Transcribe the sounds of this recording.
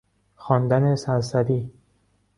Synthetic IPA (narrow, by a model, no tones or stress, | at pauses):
xɒːnd̪ænesænsæd̪iː